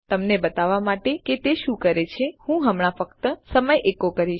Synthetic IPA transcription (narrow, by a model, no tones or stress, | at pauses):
t̪əmnebət̪aʋamaʈeket̪eʃũkəɾet͡ʃʰehũɦəmɳafək̚t̪əsəməjʔekokəɾiʃ